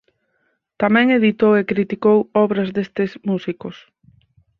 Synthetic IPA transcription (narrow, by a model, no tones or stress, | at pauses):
t̪amɛ̃ŋeðit̪owekɾit̪ikowɔβɾɐzðest̪ɪsmusikos